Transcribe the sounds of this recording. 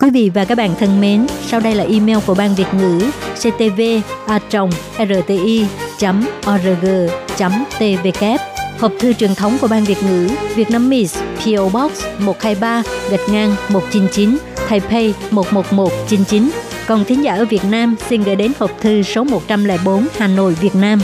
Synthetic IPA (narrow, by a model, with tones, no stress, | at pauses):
kwi˨˦vḭ˧˨vaː˨˩kaː˦˥k̚ɓaː˧˨nt̪ʰə˧nme˨˦nsaː˧wɗə˧jlaː˨˩ʔi˧mɛ˧wku˧˩əɓaː˧nvi˨˩ət̚ŋɨ̰˧˥se˧t̪e˧ve˧ʔaː˧t͡ɕə˨˩wŋ͡mʔɛ˧zəː˧˨˩t̪e˧ʔi˧t͡ɕa˨˦mʔɔ˧zəː˧ɣəː˧t͡ɕa˨˦mt̪e˧ve˧kɛ˦˥p̚hə˨˩wp̚t̪ʰɨ˧t͡ɕwi˨˩ənt̪ʰə˨˦wŋ͡mku˧˩əɓaː˧nvi˨˩ət̚ŋɨ̰˧˥vi˨˩ət̚naː˧mːi˧˩spʰi˧ʔo˧ɓɔ˦˥k̚smo˨˩t̚haː˧jɓaː˧ɣə˨˩t̚ŋaː˧nmo˨˩t̚t͡ɕi˨˦nt͡ɕi˨˦n | t̪ʰaː˧jpʰe˧jmo˨˩t̚mo˨˩t̚mo˨˩t̚t͡ɕi˨˦nt͡ɕi˨˦n | kɔ˨˩nt̪ʰi˨˦ŋzaː˧˩ʔəː˧˩vi˨˩ət̚naː˧msi˧nɣə̰ː˧˩jɗe˨˦nhəː˨˩p̚t̪ʰɨ˧so˨˦mo˨˩t̚t͡ɕa˧mlɛ̰˧˩ɓo˨˦nhaː˨˩no̰˧˨jvi˨˩ət̚naː˧m